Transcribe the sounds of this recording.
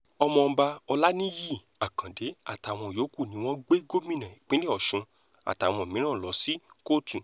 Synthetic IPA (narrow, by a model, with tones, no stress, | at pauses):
ɔ˧mɔ̃˧m̩˧ba˧ɔ˧la˦nĩ˦ji˦˨ | a˨kã˨de˨˦a̰˦˨ta˨w̃ɔ̃˧˨jo˨˦ku˦˨nĩ˨˦w̃ɔ̃˦ɡ͡be˦ɡo˦mĩ˦˨nã˨e˨k͡pĩ˨˦le˦ɔ˨ʃũ˧ | a̰˨ta˨w̃ɔ̃˧˨mĩ˨˦ã˦˨lɔ˨˦si˦ko˦tũ˨